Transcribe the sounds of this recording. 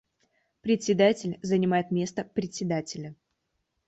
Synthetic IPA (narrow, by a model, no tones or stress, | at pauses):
pɾʲɪt̪ʲsʲɪd̪atʲɪlʲzənʲɪmajɪt̪mʲe̞st̪əpɾʲɪt̪ʲsʲɪd̪atʲɪlʲə